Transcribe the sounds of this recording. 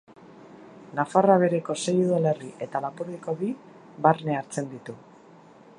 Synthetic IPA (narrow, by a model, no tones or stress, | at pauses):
nafaraβ̞e̞ɾe̞ko̞se̞juðale̞riʔe̞t̪alapuɾeko̞βi | βarne̞aɾt͡se̞nd̪it̪u